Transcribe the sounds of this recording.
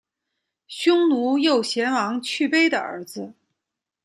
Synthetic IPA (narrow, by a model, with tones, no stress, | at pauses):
ɕjʊ˥ŋnu˧˥jo˥˩ʊɕjɛ˧˥nwɑ˧˥ŋt͡ɕʰy˥˩pe˥ɪd̪ə̰˨ə̰˞˧˥d͡zɹ̩˧